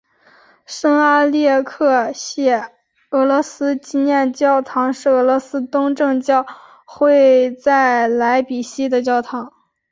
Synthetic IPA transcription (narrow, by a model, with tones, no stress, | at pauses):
ʂɤ˥ŋa˥ljɛ˥˧˩kʰɤ˥˧ɕjɛ˥˩ | ɤ˧˥lɔ˧˥sɹ̩˥t͡ɕi˥njɛ˥˧nt͡ɕjɑ˥˩ʊt̪ʰɑ˧˥ŋʂɻ̩˥˩ɤ˧˥lwɔ˧˥sɹ̩˥t̪ʊ˥ŋʈ͡ʂɤ˥˧ŋt͡ɕjɑ˥˧ʊ | xwe˥˧ɪt͡sa˥˩ɪla˧˥ɪpi˨˩ɕi˥d̪ə˨t͡ɕjɑ˥˧ʊt̪ʰɑ˧˥ŋ